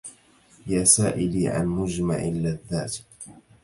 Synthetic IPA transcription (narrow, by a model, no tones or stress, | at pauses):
jaːsaːʔɪliːʕa̰nmʊd͡ʒma̰ʕɪlaðːa̰ːt̪